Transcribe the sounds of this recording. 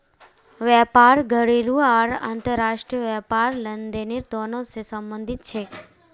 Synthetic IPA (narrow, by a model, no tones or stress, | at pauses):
ʋɛpaɾɡʱəɽiɾuaɾa̰ːnt̪əɾaʂʈɾiəʋɛpaɾlənd̪eniɾt̪onosesəmbənd̪ʱit̪̚t͡ʃʰe